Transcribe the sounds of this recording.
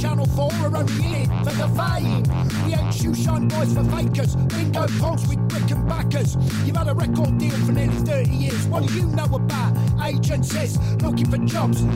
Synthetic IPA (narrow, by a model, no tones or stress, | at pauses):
t͡ʃʰænl̩ˠfɔːɹə˞ãʊ̃njɪɪfəðəfaɪ̃ŋ | wiẽɪtʃʉʃɑ̃nbɔɪz̥fəfeɪkəswɪ̃nɡoʊpʰoʊlˠswibɹɪkə̃nbakəsjɨv̥əɾəɹɛkɔːdilˠfə˞nɪliθɜˑ˞ɾijɪɹzwʌd̥ɨjɨnoʊəbaʊteɪd͡ʒɨ̃nsɪs | lʊkɪ̃ŋfə˞d͡ʒɑbz̥